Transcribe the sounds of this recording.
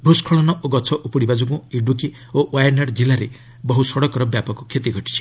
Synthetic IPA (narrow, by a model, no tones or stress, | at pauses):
bʱuskʰɔɭɔnɔʔoɡɔt͡ʃʰɔʔupɔɽibad͡ʒukũiɖuk̬i | oʔwajɔɾnaɽd͡ʒilaɾe | bɔɦusɔɽɔkɔɾɔbjapɔkɔkʰet̪iɡʱɔʈi̥t͡ʃʰi̥